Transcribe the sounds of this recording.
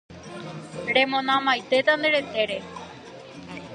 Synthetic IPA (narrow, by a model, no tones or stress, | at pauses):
ɽemõnãmajt̪et̪and̪eɾet̪eɾe